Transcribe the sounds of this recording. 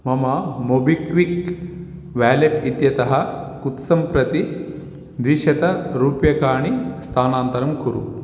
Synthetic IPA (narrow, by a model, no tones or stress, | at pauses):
mɐmɐmobikʋik | ʋæːleʈit̪jɐt̪ɐɦɐkut̪sɐmpɾɐt̪i | d̪iʃɐt̪ɐɾuːpjɐkaːɳist̪ʰaːnaːnt̪ɐɾɐmkuɾṵ